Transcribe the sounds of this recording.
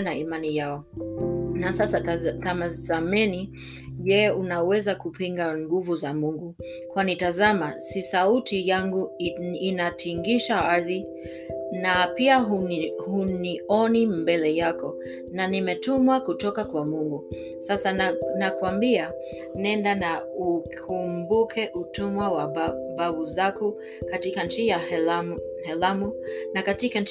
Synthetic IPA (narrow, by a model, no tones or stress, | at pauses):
naimanijaɔ | nasasatamazamɛni | ʄɛunawɛzakupiŋɡaŋɡuvuzamuŋɡu | kwanitazamasisautʰijaŋɡuinatʰiŋɡiʃaaɾði | napiaɦuhuniɔnimbɛlɛjakɔ | nanimɛtumwakutɔkakwamuŋɡu | sasanakuambia | nɛndanaukʰumbukʰɛʔutumwawabaβuzaku | katikan̩t͡ʃija | hɛlamunakatika